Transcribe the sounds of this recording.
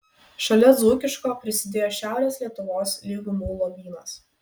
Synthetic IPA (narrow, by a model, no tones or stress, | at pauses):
ʃɐlʲɛzuːkʲɪʃkoːpʲɾʲɪsʲɪd̪ʲeːjoːʃʲæˑʊɾʲeːsʲlʲiɛt̪ʊʋoːslʲiɡʊmuːlˠɔʋʲiːnɐs